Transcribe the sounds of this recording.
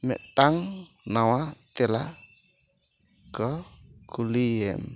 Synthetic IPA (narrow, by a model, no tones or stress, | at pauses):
mɛ̰taŋ | nawat̪ela | ɡ̥ɔkuliɛ̰m